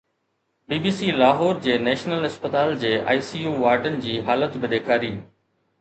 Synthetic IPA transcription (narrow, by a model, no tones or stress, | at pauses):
biːbiːsiːlaːɦɔːɾd͡ʑeːnɛːʃnəlɦɪspət̪aːld͡ʑeːʔa̰ːisiːjuːʋaːɾɖənɪ̆d͡ʑiːɦaːlət̪bɪɗ̪eːkʰaːɾiː